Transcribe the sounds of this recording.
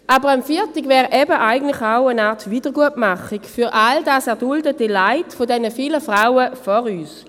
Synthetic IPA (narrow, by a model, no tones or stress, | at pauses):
ʔabəʁamfiːtiɡvɛːʁʔɛbəʔaɪɡən̩tlɪχaʊənaːɐtviːdəʁɡuətmaχikfyʁʔaldaːsɛʁdʊldətəlaɪtfodɛnəfiːləfʁaʊəfɔʁyːs